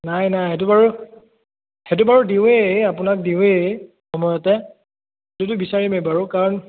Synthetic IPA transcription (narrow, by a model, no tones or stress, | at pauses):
najnajɦet̬ubaɹu | het̬ubaɹudiʊ̃eapʊnak̚diʊ̃e | xɔmɔjɔtɛ | tut̬ubisaɹimebaɹukaɹɔn